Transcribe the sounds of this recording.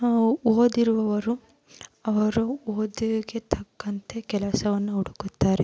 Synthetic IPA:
oːd̪iɾuʋɐʋɐɾu | ɐʋɐɾuoːd̪iɡe̞t̪ʰɐkːɐnt̪ʰe̞kɛlɐsɐʋɐnːuuɽukut̪ːaːɾe

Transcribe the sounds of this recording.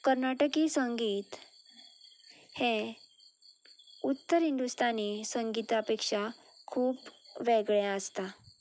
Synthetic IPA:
kəɾnaʈəkisəŋɡiːt̪ | he | ut̪ːəɾɦind̪ust̪anisəŋɡit̪apekʂa | kʰuːpʋeɡɭjaəst̪a

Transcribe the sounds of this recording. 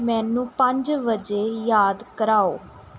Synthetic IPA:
mɛ̃ːnũːpəɲd͡ʒʋəd͡ʒeːjaːd̪kəɾaːoː

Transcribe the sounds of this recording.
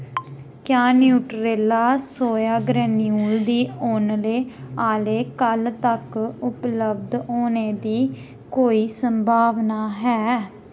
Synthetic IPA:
kjaːnjuːʈɾeːlaːsoːjaːɡɾɛːnijuːld̪iːoːnleːaːleːkəlt̪əkʊpləb̚d̪ɦoːneːd̪iː | koːiːsəmbʱaːʋnaːɦɛː

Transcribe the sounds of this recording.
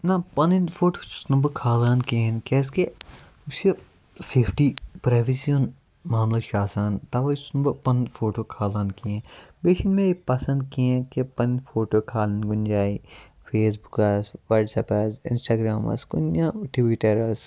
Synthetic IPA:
nãpɐninfʰoːʈoːt͡ʃsnɐmbɐkʰaːlaːnkiɦẽnkɛːs̬ke | ʊse | seːpʰʈiːpɾaːʋesion | maːmlaʃaːsaːnt̪ɐʋasnɐmbɐpɐnfʰoːʈoːkʰaːlaːnkiẽbeːʃinmẽepɐsɐ̃nd̪̚kiɛ̃kepɐnnfʰoːʈoːkʰaːlɐnɡʊnd͡ʒaːi | fʰeːs̬bukɐsʋaːʈsɐpɐzɪ̰̃nsʈaːɡɾaːmɐ̰skʊnjaʈʋiʈɐɾɐs

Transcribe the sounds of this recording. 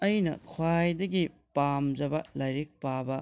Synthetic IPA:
ɐjnɐ̰kʰwajdɐɡipamd͡ʒɐbɐlajɾek̚pabɐ

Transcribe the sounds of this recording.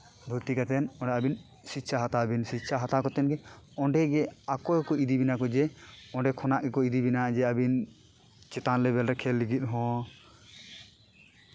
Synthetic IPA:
bʱuɾt̪ikat̪ɛnɔ̃ɖɛabin | sitːʃʰaɦat̪abinsitt͡ʃʰaɦat̪akɔt̪ɛnɡɛɔ̃ɳɖɛɡɛakɔɛkɔid̪ibinakɔd͡ʒɛɔ̃ɳɖɛkʰɔnaʔɡɛkɔid̪ibinad͡ʒɛabin | t͡ʃɛt̪anlɛbɛlɾɛkʰɛlːiɡit̪̚ˀɦɔ̃

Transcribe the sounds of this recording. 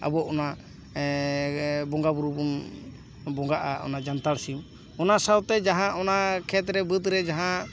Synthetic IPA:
a̰bɔʔɔna | bɔŋɡabuɾubun | bɔŋɡaʔaɔ̰nad͡ʒant̪aɽsim | ɔnasawt̪ɛd͡ʒaɦãʔɔnakʰɛt̪ɾɛbət̪ɾɛd͡ʒaɦã

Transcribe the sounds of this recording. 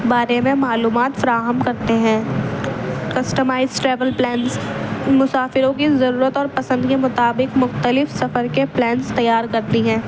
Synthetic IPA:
baːɾemẽmaːluːmaːt̪fɐɾaːɦəmkɐɾt̪eɦɛ̃ː | kɐsʈəmaːɪzʈɾɛːʋəlplɛːnsmʊsaːfɪɾõk̬izɐɾuːɾət̪ɔːɾpɐsə̃nd̪kemʊt̪aːbɪqmʊxt̪əlɪfsɐfəɾkeplɛ̃ːnst̪ɐjaːɾkɐɾt̪iɦɛ̃ː

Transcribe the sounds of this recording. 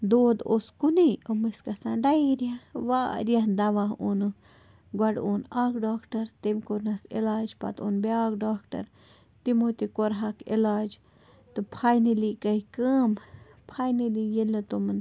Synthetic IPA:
d̪oːd̪oskuniomɨskɐsãːɖɐjɾijaʋaːɾijaɦd̪ɐʋaɦonɨ | ɡwɐɖoːnaːkɖaːkʈɐɾt̪emkoɾnɐsḭlaːd͡ʒpɐ̰t̪onbeaːkɖaːkʈɐ̰ɾ | t̪imoːt̪ikoɾɦakḭlaːd͡ʒ | t̪ɨpʰaːjnilikɐikəːm | pʰaːjnilijelɨt̪omɨn

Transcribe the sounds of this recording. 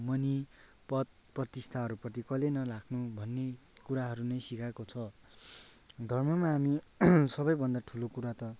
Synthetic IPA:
mʌni | pʌt̪̚prʌt̪ist̪ʰaɦʌɾupʌt̪ikʌlenʌlakʰnubʱʌnːe | kuɾaɦʌɾunʌjsikʰakot͡sʰʌ | d̪ʱʌrmʌmaɦːmisʌbʌjbʱʌnd̪aʈʰulokuɾat̪ʌ

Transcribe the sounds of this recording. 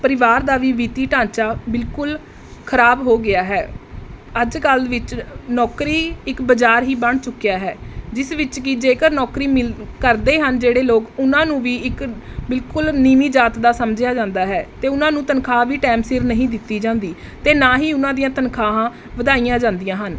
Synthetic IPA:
pəɾɪʋaːɾd̪aːʋiːʋiːt̪iːʈãːt͡ʃaːbɪlkʊl | kʰəɾaːbɦoːɡɪaːɦɛː | əd͡ʒkəlʋɪt͡ʃnɔːkɾiːɪkbəd͡ʒaːɾɦiːbəɳt͡ʃʊkːjaːɦɛːd͡ʒɪsʋɪt͡ʃkɪd͡ʒeːkəɾnɔːkɾiːmɪlkəɾd̪eːɦənd͡ʒeːɽeːloːkʊnãːnũːʋiːɪkbɪlkʊlniːmiːd͡ʒaːt̪d̪aːsəmd͡ʒjaːd͡ʒãːnd̪aːɦɛːt̪eːʊnãːnũːt̪ənkʰaːʋiːʈɛːmsɪɾnəɦĩːd̪ɪt̪ːiːd͡ʒãːnd̪iː | t̪eːnaːɦiːʊnãːd̪ijãːt̪ənkʰaːɦãː | ʋəd̪aːijãːd͡ʒãːnd̪ijãːɦən

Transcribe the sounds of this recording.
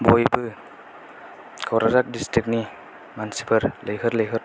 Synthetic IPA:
bojbɯ | kʰawɾazak̚distɾik̚ni | mansi̥pʰɯɾlejɦɯɾləjɦɯɾ

